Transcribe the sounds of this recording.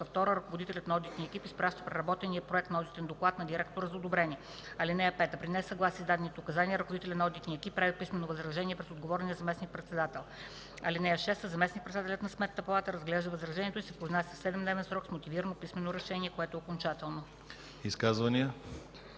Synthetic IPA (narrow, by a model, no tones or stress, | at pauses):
əft̪ɔɾəɾɐkovod̪it̪ɛlʲət̪nɐɔd̪it̪niəɛkipispɾaʃt̪ə̥pɾɛɾɐbɔt̪ɛniəpɾoɛkt̪nɐɔd̪it̪ɛnd̪oklˠat̪nɐd̪iɾɛkt̪oɾəzɐod̪obɾɛniɛ | ɐlinɛjəpɛt̪əpɾinɛsɐɡlˠasizd̪ad̪ɛnit̪ɛʊkɐzaniəɾɐkovod̪it̪ɛlʲənɐɔd̪it̪niɛkip̚ːɾavipismɛnovɐzɾɐʒɛniɛpɾɛsod̪ɡovɔɾɛniəzɐmɛsnik̚pɾɛt̪sɛd̪at̪ɛlˠ | ɐlinɛjəʃɛst̪əzɐmɛsnik̚pɾɛt̪sd̪at̪ɛlʲət̪nɐsmɛt̪ːəpɐlˠat̪əɾɐzɡlɛʒd̪əvɐzɾɐʒɛniɛt̪oʊisɛpɾoznasʲi̥fsɛd̪ɛmd̪nɛvɛnsɾɔksmot̪iviɾənopismɛnoɾɛʃɛniɛkoɛt̪ʊɛokont͡ʃat̪ɛlˠno | iskazvɐniə